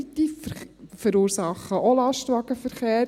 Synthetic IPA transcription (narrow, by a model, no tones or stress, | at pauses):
it̪iːffəɾuːɾsɑχəʔolɑʃtʋɑɡəfəɾχeː